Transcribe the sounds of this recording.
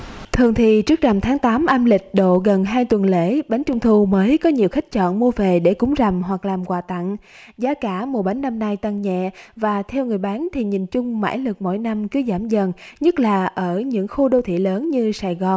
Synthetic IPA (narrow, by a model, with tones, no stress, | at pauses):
t̪ʰɨ˨˩əŋt̪ʰḭ˧˨t͡ɕɨ˦˥k̚na˨˩mt̪ʰaː˨˦ŋt̪aː˨˦mʔaː˧mlï˨˩k̟̚ɗo̰˧˨ɣə˨˩nɦaː˧jt̪wə˨˩nlḛ˧˥ɓa˨˦jŋ̟t͡ɕʊ˧wŋ͡mt̪ʰu˧məː˨˦jkɔ˨˦ɲi˨˩əwxa˦˥k̟̚t͡ɕɔ̰˧˨nmu˧əve˨˩ɗe˧˩kʊ˨˦ŋ͡mza˨˩mɦwa˨˩k̚laː˨˩mkwaː˨˩t̪a̰˧˨n | zaː˨˦kaː˧˩mu˨˩ɓa˨˦jŋ̟nːa˧mna˧jt̪a˧˩ŋɲɛ̰˧˨vaː˨˩t̪ʰɛ˧wŋɨ˨˩əjɓaː˨˦nt̪ʰi˨˩ɲi˨˩nt͡ɕʊ˧ŋ͡mma̰ː˧˥jlɨ˨˩k̚mo̰˧˥jna˧mkɨ˨˦əwzaː˧˩mzə˨˩nɲə˦˥t̚laː˨˩ʔəː˧˩ɲɨ̰˧˥ŋxu˧ɗo˧t̪ʰḭ˧˨ləː˨˦nɲɨ˧saː˨˩jɣɔ˨˩n